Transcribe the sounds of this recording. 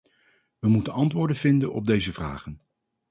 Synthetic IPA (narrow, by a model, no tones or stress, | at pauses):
ʋəmutənɑntʋʊːɹdənvɪndənɔ̰b̚dejzəvra̰ːχən